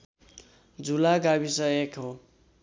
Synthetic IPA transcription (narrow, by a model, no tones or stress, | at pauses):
d͡zulaɡabisʌekɦo